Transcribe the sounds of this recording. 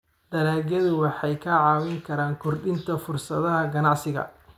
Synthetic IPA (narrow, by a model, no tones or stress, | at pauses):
d̪ɐɾaːɣɐðʊwɑħɑjkʰɐʕɑːwɪŋkʰɐɾaːŋkʰʊrɖɪnt̪ʰɐfʊrsɐðɐɦɐɡɐnɑʕsɪɣɐ̰